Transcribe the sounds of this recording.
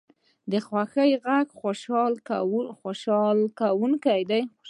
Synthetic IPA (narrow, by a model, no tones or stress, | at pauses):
d̪əxwaxəjɣaɡxoʃɑlaxoʃɑlkawuŋkajd̪aj